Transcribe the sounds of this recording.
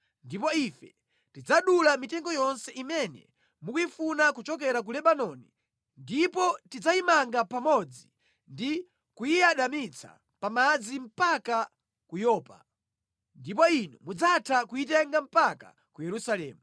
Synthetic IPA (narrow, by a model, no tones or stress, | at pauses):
ndip̬ɔifɛ | tid͡zaɗulamitɛŋɡɔjɔnsɛʔimɛnɛ̰ | mukuifunakut͡ʃɔkɛɾak̬ulɛɓanɔni | ndipɔtid͡zaimaŋɡapamɔd͡zi | ndi | kujiaɗamit͡sʰa̰ | pamad͡zim̩paka | kujɔːpa̰ | ndip̬ɔinumud͡zatʰakuitɛŋɡam̩paka̰ | kujɛɾusalɛ̰ːmu